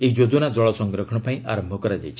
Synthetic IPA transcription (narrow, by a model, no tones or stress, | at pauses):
eid͡ʒod̪unad͡ʒɔɭɔsɔŋɡɾɔkʰɔɽɔpaĩʔa̰ɾɔmbʱɔkɔɾad͡ʒa̰jt͡ʃʰi̥